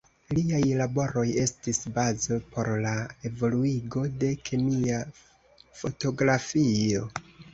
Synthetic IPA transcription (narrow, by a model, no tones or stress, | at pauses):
liajlabo̞ɾo̞je̞stisbazopʰo̞ɾlae̞vo̞luiɡo̞de̞kʰemia | fo̞to̞ɡɾafio̞